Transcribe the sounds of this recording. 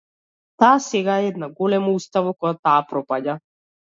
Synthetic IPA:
t̪aːsɛɡaɛɛd̪naɡɔlɛmoust̪avokɔjat̪aːpɾɔpaɟa

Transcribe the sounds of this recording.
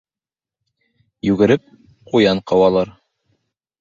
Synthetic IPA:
jʉɡɘ̆ɾɘp̚ | qujɑɴqɑwɑlˠɑɾ

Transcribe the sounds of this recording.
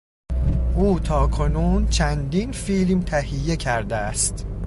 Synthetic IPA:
ʔuːt̪ʰɒːkʰo̞nuːnt͡ʃʰænd̪iːnfiːlmt̪ʰæhijːe̞cʰæɾd̪eæst̪

